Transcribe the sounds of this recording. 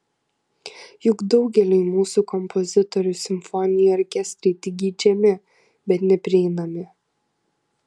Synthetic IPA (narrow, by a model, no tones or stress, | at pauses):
jʊɡd̪ɒʊɡʲɛlʲɛɪmuːsuːˑkɔmpʰɔzʲɪt̪ɔɾʲʊsʲɪmfɔnʲɪjɛɔɾʲkʲɛsʲt̪ʲɾʲɛɪt̪ʲɪɡʲiːd͡ʒʲɛmʲɪ | bʲɛt̪nʲɛpʲɾʲɪɛɪnɐmʲɪ